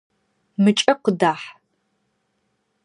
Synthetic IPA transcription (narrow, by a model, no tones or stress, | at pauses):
mɨt͡ʃʼɐqədaːħ